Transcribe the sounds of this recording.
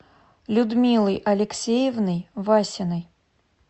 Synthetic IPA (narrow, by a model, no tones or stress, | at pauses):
lʲud̪mʲilˠɨjʔɐlʲɪksʲejɛvnɨjvasʲɪnɨj